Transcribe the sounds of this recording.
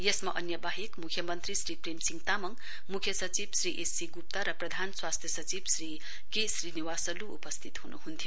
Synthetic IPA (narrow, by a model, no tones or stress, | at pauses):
jesmaʔʌnjʌbaɦekmukʰjʌmʌnt̪risɾipremsiŋt̪amʌŋ | mukʰjʌsʌt͡sibsriʔesiɡup̚t̪aɾʌprʌd̪ʱanswast̪ʰjʌsʌt͡sibsri | kesriniwasʌluṵpʌst̪ʰit̪hunuɦunt̪ʰijo